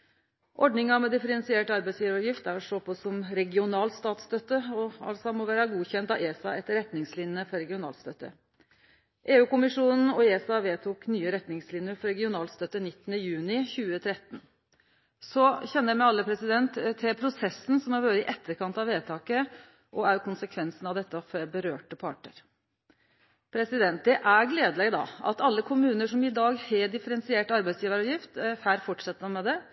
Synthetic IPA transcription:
ʔɔɖɳɪŋɑmɛd̪ɪfəɾɛnsɪeːʈɑɾbæɪsjiːʋəɾɔʋjɪft̪æɾɔʂoːpʰɔsɔmɾɛɡɪʊnɑːlt̪st̪ɑːt̪st̪œt̪ːəɔɑ̰lsɑmɔʋæːɾɑɡuːçɛnt̪ɑʋeːsɑɛt̪ɾɛt̪nɪŋslɪnəfɔɾɛɡɪʊnɑ̰ːlt̪st̪œt̪ːə̰ | ʔeːʉːkʊmɪʂuːnn̩ɔeːsɑʋeːt̪ʰuːknyːəɾɛt̪nɪŋslɪnəɾfɔɾɛɡɪʊnɑːlt̪st̪œt̪ːənɪt̪ːnəjʉːnɪçʉːət̪ʰɾɛt̪n̩ | sɔçɛnːəæmɛɑlːəpʰɾɛsɪd̪ɛnt̪t̪ʰːɪlpʰɾʊsɛsːn̩sɔmɑɾʋøːɾəɪʔɛt̪ːəɾkʰɑnt̪ɑʋeːt̪ʰɑːkə | ʔɔæɾjkʰʊnsəkʰʋɛnsn̩ɑʋd̪ɛt̪ːəfɔbəɾøːʈəpʰɑ̰ːʈɳəɾ | pʰɾɛsɪd̪ɛnt̪̚d̪ɛʔæɾɡleːd̪əlɛɡəd̪ɑ̰ɑ̰t̪ɑlːəkʰʊmʉːnəʂɔmɪd̪ɑːɡhɛɖɪfəɾɛnsɪeːʈɑɾbæɪsjiːʋəɾɑʋjɪft̪hæːɾfɔʈʂɛt̪ːəmɑmɛd̪ɛ

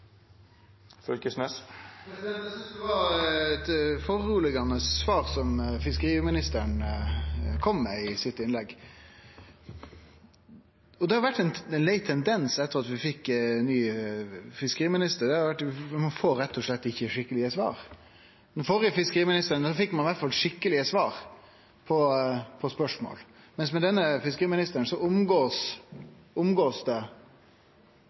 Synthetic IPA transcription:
fœlkəsnɛs | ʋɑɛt̪fɔɾuːlɪɡɑnːəsːʋɑːɾsɔmfɪskəɾiːmɪnɪst̪əɳ | kʰɔmːɛɪsɪt̪ːɪnlɛɡː | ɔd̪ɛhɑɾʋæʈːɛnɛnlæɪt̪ʰːɛnd̪ɛnsɛt̪ːəʁɑt̪ʋɪfɪkːnːyː | fɪskəɾiːmɪnɪst̪əɾd̪ɛhɑɾʋæʈːmɑnfoːɾɾɛt̪ʰːɔʂɭɛt̪ːɪçːəʂɪkːəlɪəsʋɑ̰ːɾ | mɛnfɔɾəfɪskəɾiːmɪnɪst̪əɾənsɔfɪkːmɑnʋæʈ̪fɑlʂɪkːəlɪəsʋɑːɾ | pʰɔpʰɔspœʂmo̰ːl | mɛnsmɛd̪ɛnːəfɪskəɾiːmɪnɪst̪əɾəɳsɔʊmɡoːs | ʊmɡoːsd̪ɛ

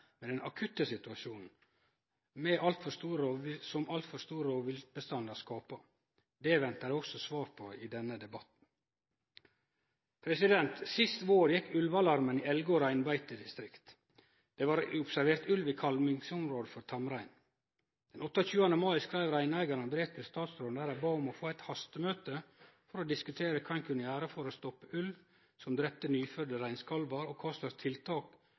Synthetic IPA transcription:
mɛd̪ɛnʔɑkʰʉt̪əsɪt̪ʉɑʃuːnn̩ | mɛʔɑlt̪fɔɾst̪uːɾəosɔmʔɑlt̪fɔst̪uːɾəoːʋɪlt̪̚bəst̪ɑnd̪ɑskɑːpə | d̪ɛʋɛnt̪ɑɾɛɪɔksɔsʋɑːɾpʰɔiːd̪ɛnːəd̪ɛbɑt̪n̩ | pʰɾɛsɪd̪ɛnt̪sɪst̪ʋoːɾjɛkːʉlʋɑlɑɾməniːɛlɡɔɾæɪnbæɪt̪əd̪ɪst̪ɾɪkt̪ | d̪̥eːʋɑːɾʊpsæɾʋeːɾt̪ʉlʋiːkʰɑlmɪŋsʊmɾoːd̪əfɔɾt̪ʰɑmɾæɪn | d̪̥ɛnɔt̪ːəoːçʉːɑnəmɑɪskɾæɪʋɾæɪnæɪɡɑɾənbɾeːt̪ʰɪlst̪ɑːt̪sɾoːnd̪æɾɑbɑːʊmoːfoːæɪt̪hɑst̪əmøːt̪ə | fɔɾoːd̪ɪskʉt̪ʰeːɾəkʰɑɪnkʰʉnəæːɾəfɔɾoːst̪ɔpːəʔʉlʋ | sɔmd̪ɾɛp̚t̪ənyːfœɖ̪əɾæɪnskʰɑlʋɑɾoːkʰɑːslɑt̪ʰɪlt̪ʰɑːk

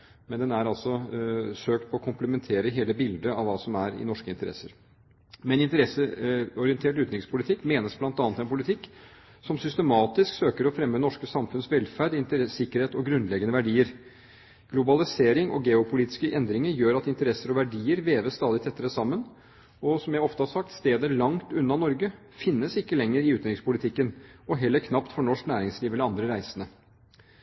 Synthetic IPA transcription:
mɛnd̪ɛnæɾɑlsɔsøːk̚t̪̚pʰɔɔkʰʊmpləmɛnt̪ʰeːɾəɦeːləbɪld̪əɑʋɑːsɔmæɾɪ̰nɔʂkəɪnt̪əɾɛ̰sːəɾ | mɛnɪnt̪əɾɛsəɔɾɪɛnt̪ʰeːʈʉːt̪nɪŋspʰʊlɪt̪ʰɪkːmeːnəsblɑnt̪ɑːnət̪ɛnpʰʊlɪt̪ʰɪkː | sɔmsʏst̪əmɑːt̪ɪsksøːkəɾɔfɾɛmːənɔʂkəsɑmfʉnsʋɛlfæɖɪnt̪əɾɛsɪkːəɾheːt̪ɔɡɾʉnlɛɡənəʋæɖiːəɾ | ɡ̥lʊbɑlɪseːɾɪŋʔɔ̰ɡɛʊpʰʊliːt̪ɪ̥skəʔɛnd̪ɾɪŋəɾjøːɾɑt̪ɪnt̪əɾɛsːəɾɔʋæɖiːəɾʋeːʋəst̪ɑːd̪ɪt̪ʰɛt̪ːəɾəsɑmːən | ɔsɔmjæɪɔft̪əhɑɾsɑk̚t̪st̪eːd̪əɭɑŋt̪ʉnːɑnɔɾɡə | fɪnːəsɪkːəlɛŋːəɾɪʉːt̪əɾɪŋspʊlɪt̪ʰɪkːənɔɦɛlːəɾkʰnɑpt̪fɔɳɔʂknæːɾɪŋsliːʋɛlɑnd̪ɾəɾæɪsənə

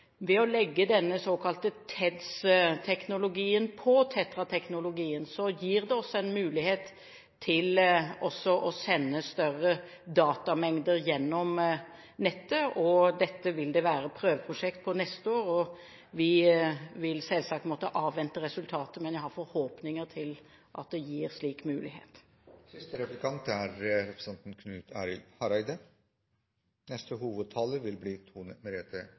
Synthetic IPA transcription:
ʋɛɔlɛɡːəd̪ɛnːəsoːkʰɑlt̪ət̪ʰɛd̪st̪ʰɛknʊlʊɡiːənpʰɔt̪ʰɛt̪ɾɑt̪ʰɛknʊlʊɡiːənsɔjiːʁd̪ɛɔsːɔɛnmʉːlɪheːt̪ʰː | ɪlɔsːɔʔɔsɛnːəst̪œɾə | d̪ɑːt̪ɑmɛŋd̪əɾjɛnːɔm | nɛt̪ːəʔɔd̪ɛt̪ːəʋɪld̪ɛʋæːɾəpʰɾøːʋəpʰɾʊʂɛkt̪̚pʰɔnɛst̪əoːɾɔ | ʋɪʋɪlsɛlsɑkt̪mɔt̪ːəʔɑːʋʋɛnt̪əɾɛsʉlt̪ʰɑːt̪əmɛnjæɪhɑɾfɔɾhoːpnɪŋəʁt̪ʰɪl | ʔɑ̰t̪̚d̪ɛjiːɾsliːkmʉːlɪhḛːt̪ | sɪst̪əɾɛpləkʰɑnt̪æɾɾɛpɾə̥sɛnt̪n̩kʰnʉːt̪ʰæːɾɪlhɑɾɑɪd̪ə | nɛst̪əhuːʋəd̪̚t̪ʰɑːləɾʋɪlbliːt̪ʰuːnəmɛɾeːt̪ʰə

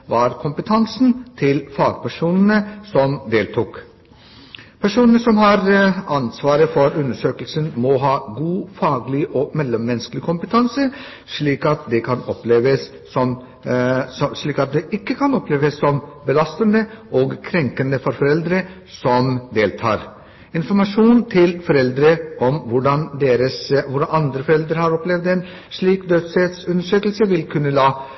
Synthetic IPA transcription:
ʋɑɾkʰʊmpət̪ʰɑnsn̩t̪ʰɪlfɑːɡpʰæʂuːnənəsɔmd̪eːlt̪ʰʊːk | pʰæʂuːnənəsɔmɦɑɾɑnsʋɑːɾəfɔɾʉnd̪əʂøːkəlsənmɔɦɑːɡuːfɑːɡlɪʔɔmɛlːəmːɛnsklɪkʰʊmpət̪ʰɑnsə | ʂɭiːkɑt̪̚d̪ɛkʰɑnɔpleːʋəsː | ɔm | ɔʂɭiːkɑt̪̚d̪ɛʔɪkːəkʰɑnɔpleːʋəsːɔmbəlɑst̪ənd̪əʔoːɡkʰɾɛŋkənəfɔɾfɔɾɛld̪ɾə | sɔmd̪eːlt̪ʰɑ̰ːɾ | ɪnfɔɾmɑʂuːnt̪ʰɪlfɔɾɛld̪ɾəɔmʋʊɖɑnd̪eːɾəsʋʊɖɑnɑnd̪ɾəfɔɾɛld̪ɾəɾhɑɾɔplɛʋd̪ɛn | ʂɭiːkd̪øːd̪sed̪sʉnəʂøːklsəʋɪlkʰʉnːəlɑː

